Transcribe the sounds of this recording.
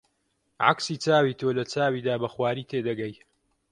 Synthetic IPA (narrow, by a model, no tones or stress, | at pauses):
ʕa̰ksiːt͡saːwiːt̪ʰoːlɐt͡saːwiːd̪aːbɐxwaːɾiːt̪ʰeːd̪ɐɡɐj